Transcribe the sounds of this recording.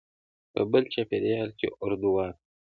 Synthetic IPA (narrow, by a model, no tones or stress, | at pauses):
pə̰bəlt͡ʃapeɾejɑːlkʲḛʔʊɾd̪uwɑːn